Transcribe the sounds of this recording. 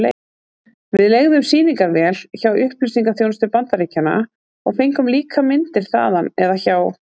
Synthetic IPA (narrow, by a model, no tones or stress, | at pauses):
le | vɪðleɣðʏmsiːniŋkaɾvɛːlçawʏhplʏsiŋkaθjownʏst̪ʏpant̪aɾicanːa̰ | ɔɣfejŋkʏmliːkʰamɪnt̪ɪɾ̥θa̰ːðanɛðaçaw